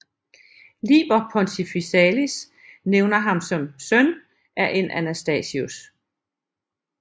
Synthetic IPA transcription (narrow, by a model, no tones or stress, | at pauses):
liːb̥ɐpʰɒ̽nt͡sʰifisɛlis | neʊnɐɦɑ̈msɒ̽msœn | ʔæɐʔe̝nʔænæsd̥ɛ̰ːsius